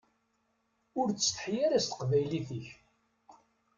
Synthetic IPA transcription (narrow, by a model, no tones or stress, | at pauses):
ʊɾːsθə̥ħijaɾast̪ə̥qvæjliθəç